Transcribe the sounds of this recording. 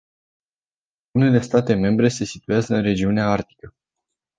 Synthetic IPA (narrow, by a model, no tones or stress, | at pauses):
une̞le̞st̪at̪e̞me̞mbɾe̞se̞sit̪ujazəɨnre̞d͡ʒiuneaart̪i̥kə